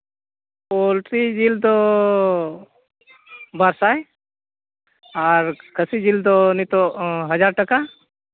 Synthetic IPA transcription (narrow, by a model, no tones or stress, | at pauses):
polʈɾid͡ʒild̪ɔ | baɾsaj | aɾkʰəsid͡ʒild̪ɔnit̪ɔɦəd͡ʒaɾʈaka